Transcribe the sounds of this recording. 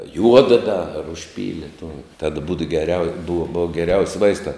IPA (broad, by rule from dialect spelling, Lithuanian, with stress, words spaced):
ˈjuɔdɐ ˈdɐ ɐr ʊʃʲˈpʲiːlʲɪ tuɔ tɐt buːt ɡʲɛˈrʲɛʊ bʊw ˈbʊɐ ɡʲɛˈrʲɛʊsʲ ˈʋɐɪstɑː